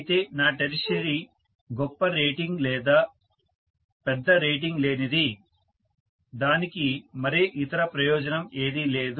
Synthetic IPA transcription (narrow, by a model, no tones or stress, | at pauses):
t̪e̞ːnaːʈɐɾiʃɐɾi | ɡɔpːɐɾeːʈiŋɡlɛːd̪aː | pɛd̪ːɐɾeːʈiŋɡle̞ːnid̪i | d̪aːnikimɐɾeːʔit̪ɐɾɐpɾɐjɔːd͡ʒɐnɐme̞ːd̪ile̞ːd̪